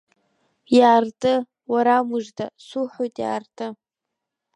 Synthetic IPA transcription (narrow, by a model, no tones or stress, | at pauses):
jaːrtʼɨ | waɾamɨʐdʰasuħʷojtʼja̰ːrtʼɨ